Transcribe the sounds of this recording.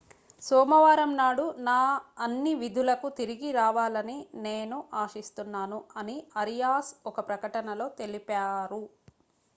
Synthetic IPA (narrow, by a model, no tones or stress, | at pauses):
sɔːmɐʋaːɾɐmnaːɽunaːɐnːiʋid̪ʱulɐkut̪iɾiɡiɾaːʋaːlɐnine̞ːnuʔaːʂist̪unːaːnuɐniɐɾijaːsɔkɐpɾɐkɐʈɐnɐlo̞ːt̪e̞lipaːɾu